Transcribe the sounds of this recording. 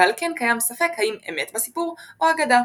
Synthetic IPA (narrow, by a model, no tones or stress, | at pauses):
alkenkajamsafe̞khaimḛmet̪basipuʁʔoaɡad̪a